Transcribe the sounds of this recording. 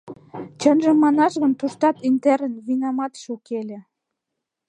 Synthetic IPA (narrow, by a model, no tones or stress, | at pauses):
t͡ɕənʒə̆mːɑnɑʃɣə̆nt̪uʃt̪ɑt̪int̪æɾənβinɑmɑt̪ʃokelʲĕ